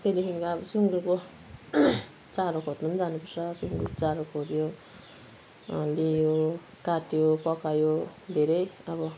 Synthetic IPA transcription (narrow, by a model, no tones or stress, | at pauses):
k̪ed̪ekʰiŋkabʌsuŋɡuko | t͡saɾokʰot̪nʌnd͡zanupʌrsʰʌsuŋɡukt͡saɾokʰod͡zjo | lejo | kaʈjopʌkajod̪ʱeɾʌjʌbʌ